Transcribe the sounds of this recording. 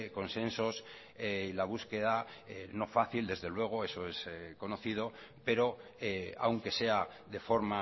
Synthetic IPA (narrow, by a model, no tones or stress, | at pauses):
ko̞nsẽ̞nso̞s | eilaβ̞uske̞ð̞aeno̞faθild̪e̞zðe̞lwe̞ɣ̞o̞e̞so̞e̞sko̞no̞θið̞o̞ | pe̞ɾo̞ | ea̰wŋke̞se̞a | ðe̞fo̞ɾma